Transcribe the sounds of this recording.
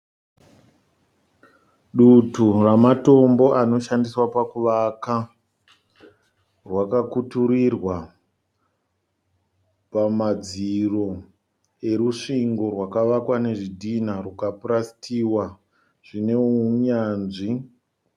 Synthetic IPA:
ɗuturamato̞mbo̞ʔano̞ʃandiswapakuʋaka | rwakakutuɾirwa | pamad͡ziro̞ | e̞ɾuʂiŋɡo̞rwakaʋakwane̞ʐidʱinarukapuɾasi̥tiːwa | ʐ̥ine̞uɲaːnʐi

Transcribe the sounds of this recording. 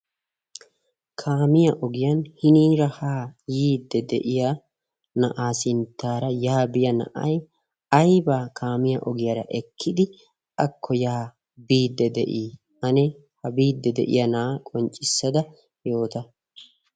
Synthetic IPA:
kʰaːmɪjɐʔɔɡɪjɐnhɪniːɾɐhaːjiːd̪ːɛd̪ɛ̰ʔɪja | nɐ̰ʔaːsɪnt̪ːaːɾɐjaːbɪjɐnɐ̰ʔɐ̰j | ɐjbaːkʰaːmɪjɐʔɔɡɪjɐɾɐ̰ʔɛkʰːɪd̪ɪ | ʔɐkʰːɔjaː | biːd̪ːɛd̪ɛ̰ʔiː | ʔɐnɛ | hɐbiːd̪ːɛd̪ɛ̰ʔɪ̰jɐnaːkʼɔnt͡ʃʼɪsːɐd̪ɐ | jo̞ːt̪ɐ

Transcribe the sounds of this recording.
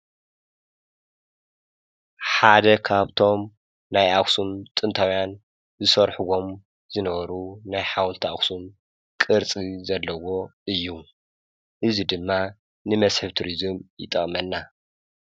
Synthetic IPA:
ħad̪ɐkʰaβt̪ʰo̞m | najʔaksumt̪ʼɨnt̪ʰawjan | zɨsɐɾħuɡo̞m | z̥ɨnɐβɐɾunajħawlt̪ʰiaksum | kʼɨɾt͡sʼizɐlːɐwo̞ʔɨjːu | ʔɨzid̪ɨmːa | nɨmɐsħɨβt̪ʰuɾizɨmjɪ̰t̪ʼːɐχʼmɐnːa

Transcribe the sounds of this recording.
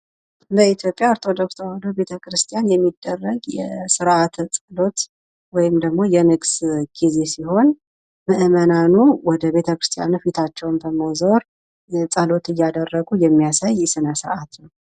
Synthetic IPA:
ɨləit̪ʰjo̞pʼjaoɾt̪ʰo̞d̪o̞ksəholowbe̞t̪ʰəkʰɾɨst̪ʰjanjɛmːid̪ːərːəɡjɛsɨɾʔat̪t͡sʼəlo̞t̪ | wɔjɪmd̪əɡmo̞jɛnɨɡsɡ̥ize̞siho̞n | mɨʔɨmənanuwɔd̪əβe̞t̪ʰəkɾɨst̪ʰija̰nufit̪ʰat͡ʃːɛwnbəmozoɾ | t͡sʼəlo̞t̪ɨjːad̪ərːəɡujɛmːijasajːɛsɨnəsɨɾʔat̪nəw

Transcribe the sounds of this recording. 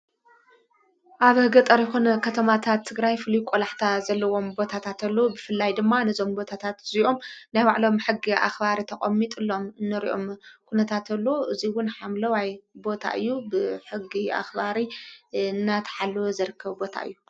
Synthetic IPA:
ʔaβhɡɐt̪ʼɐɾjxunɐkʰɐt̪ʰɐmat̪ʰat̪ʰːɨɡɾajfɨlujkʷʼolaħt̪ʰazɐlːɐwo̞mbo̞t̪ʰat̪ʰat̪ɐlːobɨfɨlːajd̪ɨmːanɐzo̞mbo̞t̪ʰat̪ʰat̪ziʔo̞mnajwaʕlo̞mħɨɡːiʔa̰xbaɾit̪ʰɐkʼɐmːit̪ʼɨlːo̞mnɨɾḭʔo̞̰mkʰunɐt̪ʰat̪ʰɐlːoʔɨziwʊnħamlɐwajbo̞t̪ʰa̰ʔɨ̰jːubɨħɨɡːiʔa̰xbaɾi | nːat̪ʰħalːwzɐɾɨkʰːɐβbo̞t̪ʰa̰ɨ̰jːu

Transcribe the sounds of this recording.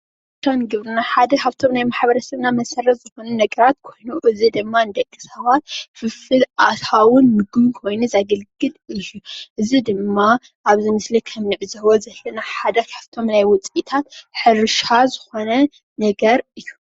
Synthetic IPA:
ʔaβt̪ʰomɡɨβɾɨnaħad̪ɐkʰaβt̪ʰo̞mnajmaħβɐɾɐsɐβnamɐsɐrːɐt̪zɨxo̞nunɐɡɐɾat̪kʰo̞jnuʔɨzid̪ɨmːaɨnd̪ɐkʼːɨsɐβat̪̚fɨfɨlʔat̪ʰawʊnmɨɡɨβkʰo̞jnuzaɡɐlɡɨlɨjːuʔɨzid̪ɨmːa | ʔaβzɨmɨslikʰɐmnɨʕzɐβozɐlːɐnaħad̪ɐkʰaβt̪ʰo̞mnajwʊt͡sʼit̪ʰat̪ħɨɾɨʃazɨxo̞nɐ | nɐɡɐɾɨjːu

